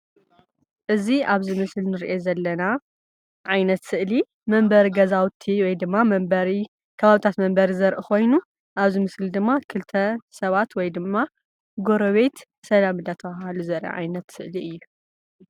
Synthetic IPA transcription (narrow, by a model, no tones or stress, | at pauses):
ʔɨziaβzɨmɨslnɨɾʔezɐlːɐna | ʕajnɐt̪sɨʔli | mɐmbɐɾiɡɐzawt̪ʰiwɔjd̪ɨmːamɐbɐɾi | kʰɐβaβit̪ʰat̪mɐmbɐɾizɐɾʔukʰo̞jnu | ʔaβzɨmɨslid̪ɨmːakʰɨlt̪ʰɐsɐβat̪wɔjd̪ɨmːa | ɡo̞ɾɐβe̞t̪ | sɐlamɨd̪at̪ʰɐβaɦaluzɐɾʔɐ̰ʕa̰jnɐt̪sɨʔliɨjːu